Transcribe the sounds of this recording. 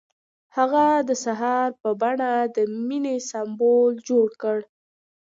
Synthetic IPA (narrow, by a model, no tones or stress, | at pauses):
haɣad̪əsaɦɑɾpəbaɳad̪əminesambold͡ʒoɽkəɽ